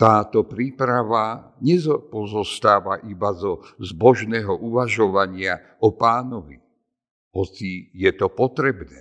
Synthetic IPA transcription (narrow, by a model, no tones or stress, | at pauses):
t̪aːt̪ɔpɾiːpɾaʋaɲɛzɔpɔzɔst̪aːʋaʔibazɔzbɔʒnɛːɦɔʔuʋaʒɔʋaɲɪa | ɔpaːnɔʋḭ | ɦɔt͡sijɛt̪ɔpɔt̪ɾɛbnɛː